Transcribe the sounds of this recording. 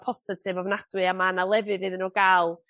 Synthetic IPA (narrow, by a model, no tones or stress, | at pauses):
pʰɔsɪtʰɨvavnadwɨamanalˠɛvɨðɨðɪnɔɡalˠ